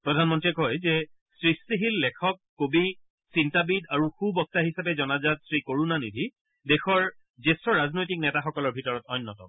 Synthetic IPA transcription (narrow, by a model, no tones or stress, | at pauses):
pɹɔdʱanmɔntiɛkɦɔjzɛ | sɹistiɦilːɛkʰɔkːobi | sintabidaɹuxubɔk̚taɦisapɛzɔnazatsɹikoɹunanidʱi | dɛxɔɹ | zesɹɔɹaznojtik̚nɛtaxɔkɔlɔɹbʱitɔɹɔtɔjnːɔtɔ̰m